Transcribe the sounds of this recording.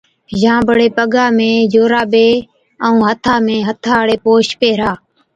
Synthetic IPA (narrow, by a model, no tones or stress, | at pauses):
d͡ʒãːbəɽeːpəɠaːmẽːd͡ʒoːɾaːɓeː | əũːɦət̪ʰaːmẽːɦət̪ʰaːɽeːpoːʃpeːɾaː